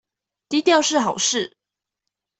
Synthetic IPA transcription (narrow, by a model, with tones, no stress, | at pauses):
t̪i˧˥t̪jɑ˥˧ʊʂɻ̩˥˩xɑ˨˩ʊʂɻ̩˥˩